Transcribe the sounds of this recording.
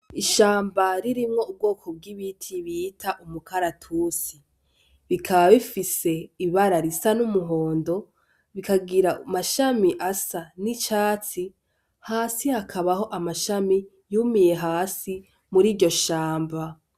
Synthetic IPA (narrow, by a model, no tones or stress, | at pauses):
iʃaːmbaɾiɾimŋo̞ub̚ɡo̞ːkʰob̚ɡiβitʰiβitʰaʔumukʰaɾatʰuːsi | βikʰaβaβifise̞iβaɾaɾisanumuɦo̞ːndo̞ | βikaɡiɾaumaʃamiʔasanit͡ʃaːt͡si | haːsihakʰaβaho̞ʔamaʃami | jumije̞ɦaːsi | muɾiːɾɟo̞ʃaːmba